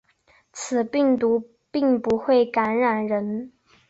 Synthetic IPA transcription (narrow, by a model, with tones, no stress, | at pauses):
t͡sʰɹ̩˨˩pi˥˩ŋt̪u˧˥ | pi˥˩ŋpu˧˥xwe˥˩ɪka˧˥nɻa˨˩nɻə˧˥n